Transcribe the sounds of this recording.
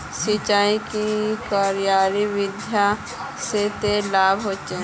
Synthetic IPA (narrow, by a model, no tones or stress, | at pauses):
sɪt͡ʃaːikikaːɾijaːɾiʋɪd̪ʱja | set̪elaːbʱɦoːt͡ʃe